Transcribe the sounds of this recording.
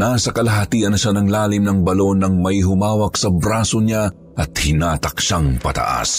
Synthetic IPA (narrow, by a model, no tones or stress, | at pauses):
nasɐkɐlɐɦɐt̪iːʔɐnɐʃanɐŋlaːlɪmnɐŋbɐlo̞nːɐŋmɐiɦʊmaːwɐk̚sɐbɾaːsoɲa | ʔɐt̪̚hɪnaːt̪ɐkʃaŋpɐ̰t̪ɐ̰ʔa̰s